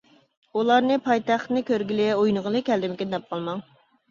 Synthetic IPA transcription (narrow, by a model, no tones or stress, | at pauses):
ulˠɑɾnɨpʰɑjt̪æχt̪nɨkʲøɾɡʲilɪojnəʁəlˠɨkʲʰɛld̪ɪmɪkʲɪd̪d̪ɛp̚qɑlˠmɑŋ